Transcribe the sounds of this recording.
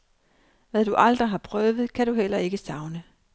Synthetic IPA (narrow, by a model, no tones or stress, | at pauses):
ʋæðd̥uʔɑ̈ld̥ʁiɦɑ̈pʰʁœːʋð̞̩ˠkʰæɾuɦel̰ɐe̝ɡ̥əsɑ̈ʊnə